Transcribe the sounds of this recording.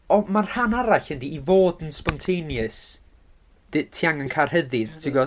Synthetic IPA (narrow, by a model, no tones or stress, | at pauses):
ɔmarhanaɾaɬəndiivoːdənspɔntʰejnjɨs | d̥ɪtʰiaŋənkʰar̥həðɪðtʰɪɡɔ